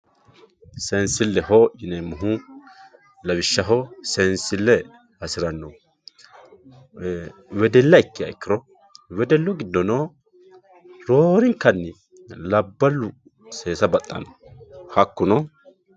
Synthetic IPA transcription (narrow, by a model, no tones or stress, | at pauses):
sɛnsɪlːɛɦoʔɪnɛmʊɦʊ | lɐwɪʃːɐɦɔsɛnsɪlːɛ | ɐsɪɾɐnːɔ | wɛd̪ɛlːɐɪkːɪɐ̰ɪkːɪɾɔ | wɛd̪ɛlːɔɡɪd̪ːɔno | ɾoːɾɪŋkːɐnːɪ | lɐbːɐlːʊ | seːsɐbɐt̪ʼːɐ̰nɔhɐkːʊnɔ